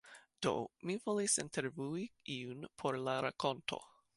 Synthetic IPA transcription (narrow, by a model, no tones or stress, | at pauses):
d̥o̞̰mivolisintʰeɾvuiiunpʰo̞ɾlaɾakʰo̞ntʰo̞̰